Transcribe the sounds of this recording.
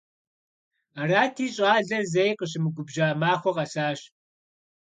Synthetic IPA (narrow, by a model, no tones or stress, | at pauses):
araːtʰiːɕʼaːɮɐzɐjqəɕ̬ɪmɨɡʷʊbʒaːmaːxʷɔqɐsaːɕ